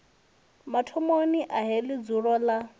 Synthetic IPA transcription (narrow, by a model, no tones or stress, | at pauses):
matʰɔmoniʔaɦelɪd͡zuɺɔla